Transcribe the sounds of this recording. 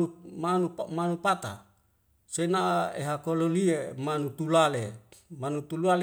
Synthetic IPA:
umanupmanupat̪a̰ | senaḛɦakololiemanut̪ulalemanut̪ulual

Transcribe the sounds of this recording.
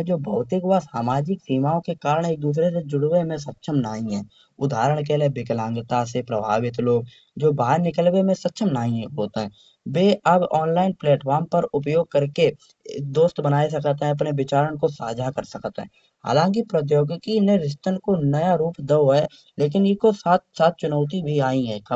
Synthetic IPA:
d͡ʒoːbʱɐʊt̪ɪɡʋasaːmaːd͡ʒɪksiːmaːõkekaːɾəɽ̃eːk̚d̪uːs̬ɾes̬ed͡ʒʊɽwemẽsət̪ːʃʰəmnaːɦĩɦɛ̰̃ː | ʊd̪ʱaːɾəɽ̃k̬eːlebɪklãːŋɡət̪asepɾɐbʱa̰ːʋɪt̪loːɡ̚ | d͡ʒoːbaːɾnɪkəlwemẽsɐt̪ːʃʰəmnaːĩɦoːt̪eɦɛ̃ | beːɐbɔːnlaːɪnpleːʈfʰɔːɾmpɐɾʊp̬joːɡ̚kəɾkḛ | d̪oːst̪bənaːis̬ɐkt̪eɦɛ̃ɐpneʋɪt͡ʃaːɾəɽ̃kosa̰ːd͡ʒʱakəɾsɐkt̪ɦɛ̰̃ː | ɦa̰ːlãːŋk̬ipɾət̪joːɡkineɾɪst̪ənkonɐjaɾuːpd̪eɦɛ | leːk̬ɪnɪkosaːt̪saːt̪̚t͡ʃʊnəʊt̪ibʱiaːĩɦɛ̃k

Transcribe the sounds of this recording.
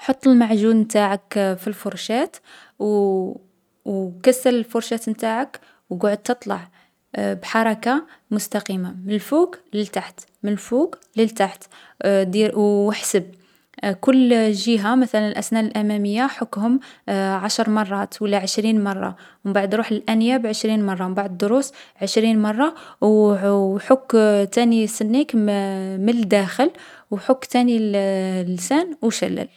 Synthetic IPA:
ħot̪ˤːəlmaʕʒunmt̪aʕakfilfʊɾˤʃæt̪ | w | kæsːæləlfʊɾʃæt̪mt̪aʕək | wɡʊʕʊd̪̚t̪ət̪ˤlɑ̰ʕ | bħɑɾˤɑkamʊst̪aqimamnəlfukləlt̪aħt̪ | mənlfukləlt̪aħt̪ | d̪iwəħsəb̚ | kʊlːʒəɦamæt̪ælænəlʔæsnæʔlʔæmæməjːaħʊkːhʊmʕɑʃɾˤmɑrˤːɑt̪wəlːæʕəʃɾinmɑrˤːɑ̰ | wbaʕd̪ɾuħəlʔænjabʕəʃɾinmɑrˤːɑmbaʕd̪d̪ːoɾusʕəʃɾinmɑrˤːɑw | ħʊkːt̪ænisənːikmələd̪æxəlwħʊkːt̪æni | lːsænwʃæ̰lːæ̰l

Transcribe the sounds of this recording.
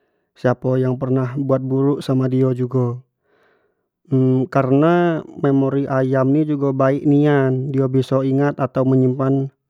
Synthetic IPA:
siapajaŋpərnahbuat̪̚buɾuʔsamadiad͡ʒuɡa | kaɾənamemoɾiʔajamnid͡ʒuɡabaikniandiabisɔiŋat̪at̪auməɲəmpan

